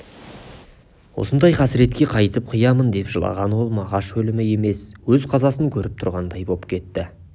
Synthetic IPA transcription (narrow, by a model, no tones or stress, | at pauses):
wo̞̰sənd̪ɑjqʰɑsɪɾe̞t̪kʲe̞qʰɑjt̪əp̚qʰəjɑmənd̪e̞pʒə̰lˠɑ̰ʁɑnwo̞lˠmɑʁɑʃɵlɪmɪe̞me̞swɵzqʰɑzɑsəŋkʲʰɵɾɪp̚t̪ʰʊɾʁɑnd̪ɑjbo̞pkʲʰe̞t̪ːɪ